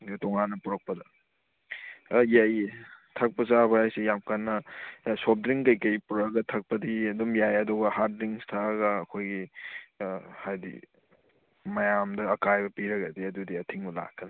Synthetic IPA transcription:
toŋanːɐpuɾɐk̚pɐdɐ | jajtʰɐk̚pɐsabɐhajsijamkanːɐsop̚dɾiŋkɐjkɐjpuɾɐɡɐtʰɐk̚pɐdiɐdumjajɐdɔɡɐhaɾdɾiŋstʰaɡɐːkʰojɡi | hajdḭ | mɐjamdɐːkajbɐpiɾɐɡɐdiɐdudiɐtʰiŋula̰kːɐn

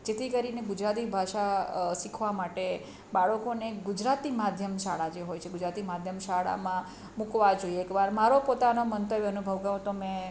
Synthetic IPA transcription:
d͡ʒet̪ʰikəɾineɡʊd͡ʒɾat̪ibʱaʃasikʰʋamaʈe | baɭəkoneɡʊd͡ʒɾat̪imad̪ʱjəmʃaɭad͡ʒeɦojt͡ʃʰeɡʊd͡ʒɾat̪imad̪ʱjəmʃaɭa̰mã | mukʋad͡ʒoieekʋaɾmaɾopot̪anomənt̪əʋjənubʱəʋkəɾõt̪omɛ̃

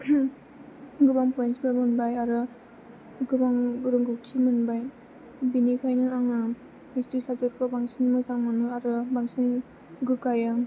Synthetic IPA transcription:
ɡɯbaŋpɔjnsbɯmɯnbajaɾɯ | ɡɯbaŋɾɯŋɡɯtʰimɯnbaj | binikʰajnɯaŋa | histɾisab̚zɯɾkʰɯbaŋsinmɯzaŋmanɯaɾɯbaŋsin | ɡɯkajaŋ

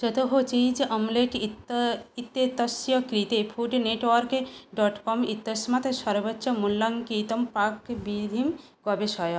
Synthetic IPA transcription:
d͡ʒɔt̪oɦot͡ɕid͡ʒʔɔmlekiit̪ːet̪ːɐsjɔkɾit̪efʰuɖneʈwɔɾkeɖɔʈkɔmit̪ːesmat̪ʃɔɾbɔtːʃɔmulːaŋkit̪ompakbid̪ʱim | ɡɔbeʃɔjɔ

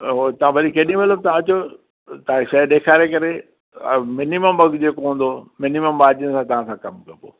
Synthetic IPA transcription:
ot̪ɐʋ̤ãʋɐɗikeːɗĩmɐləbt̪ɐãɐt͡ɕo | t̪ɐãʃɐɗeːkʰaːɾekɐɾe | mɪniməmbɐɡd͡ʑeːkoɦũːnd̪omɪniməmbaːd͡ʑənɪ̆sãt̪ɐʋ̤ãsãkɐmkɐpo̰ː

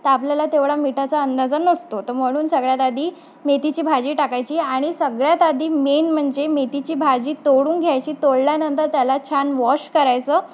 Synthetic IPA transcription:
t̪əapljalat̪eʋɽamiʈʰat͡saənd̪ad͡zənːəst̪ot̪əɾm̤əɽ̃uːnsəɡɭjat̪ad̪ʱiː | met̪it͡ɕiːbʱad͡ʑiːʈakajt͡ɕiːaɽ̃isəɡɭjat̪ad̪ʱiːmenm̤əɳd͡zemet̪it͡ɕiːbʱad͡ʑiːt̪oɽuːnɡʱjajt͡ɕiːt̪oɽljanənt̪əɾt̪jalat͡ɕʰanʋɔɕkəɾajt͡səː

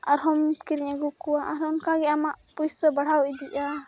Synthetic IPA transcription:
aɾɦɔmkiɾiɲaɡukuwaʔaɾɔnkaɡɛamaʔpujsəbaɽ̤awid̪iʔa

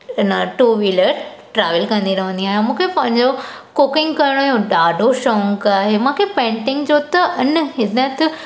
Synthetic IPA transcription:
ɪnəʈuːʋiːləɾʈɾaːʋɪlkɐ̃nd̪iɾɐʋə̃nd̪iaːɦj̃mũːkʰepɐ̃ɦɪ̃ɲd͡ʑo | kʊkɪ̃ŋɡkɐɾɽ̃ojõɖaːɖʱoʃɔ̃ŋkaːɦemãkʰepẽːɳʈɪ̃ŋɡd͡ʑoːt̪ɐʔɪnɦɪd̪ət̪

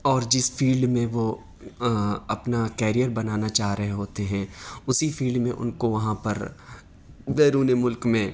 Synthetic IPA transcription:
ɔːɾd͡ʒɪsfʰiːlɖmẽʋo | ɐpnakɛːɾijəɾbɐnaːnat͡ʃaːɦɾɐɦeɦoːt̪eɦɛ̃ʊsifʰiːlɖmẽʔʊ̰nkoʋɐɦãpɐɾ | beːɾuːnemʊlkmẽ

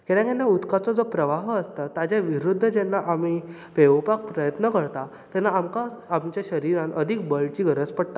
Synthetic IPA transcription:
kɛɽãkanːaut̪kat͡sɔd͡zopɾəʋaɦəst̪at̪ad͡ʑaʋiɾud̪ʱːəd͡ʑɛnːaʔami | peʋpak̚pɾəjət̪nəkəɾt̪a | t̪ɛnːaamkaːmt͡ɕjaɕəɾiɾãnəd̪ʱik̚bəlt͡ɕiːɡʱəɾət͡spəɽt̪a

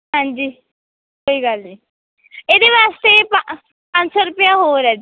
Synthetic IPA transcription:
ɦãɲd͡ʑi | ɦoiɡʱali | ed̪eʋast̪epa | pansɔɾupjaɦoɾad͡ʑ

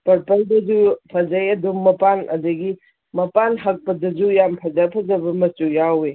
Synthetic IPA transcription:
pɐɾpɐldɐzupʰɐzajɐdumːɐpanɐ̰dɐɡi | mɐpanɦɐk̚pɐdɐzujampʰɐzapʰɐzɐbɐmɐsujawe

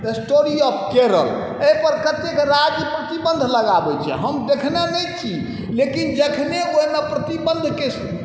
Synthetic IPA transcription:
t̪əsʈoɾiɔp̚keɾə̰l | epəɾkət̪ːekɾad͡ʒjəpɾət̪ibə̃nd̪ʱləɡabɛt͡ʃʰɛ̰ɦəmd̪ekʰnenɛjt͡ʃʰi | lekind͡ʒəkʰneonapɾət̪ibə̃nd̪ʱkes

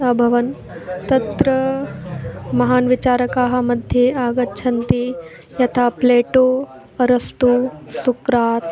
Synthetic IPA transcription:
ɐbʱɐʋɐn | t̪ɐt̪ɾɐ | mɐɦaːnʋɪt͡ʃaːɾɐkaːɦɐ̆mɐd̪ʱjeaːɡɐtːʃʰɐnt̪i | jɐt̪ʰaːpleːʈoː | ɐɾɐst̪usukɾaːt̪

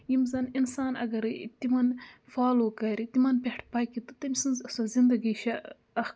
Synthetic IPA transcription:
jimzɐninsaːnɐ̰ɡɐɾt̪imɐnfaːlokaɾit̪imɐnpʲeʈʰpaːkit̪ut̪ɐmisɨnzɐsɐzind̪ɐɡiʃɐ | ɐx

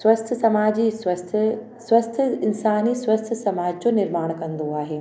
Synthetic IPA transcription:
swɐst̪ʰsɐmaːd͡ʑisɐst̪ʰ | sʋɐst̪ʰɪnsaːnisʋɐst̪ʰsɐmaːd͡ʑd͡ʑoːnɪɾmaːɽ̃kɐ̃nd̪oaːɦeː

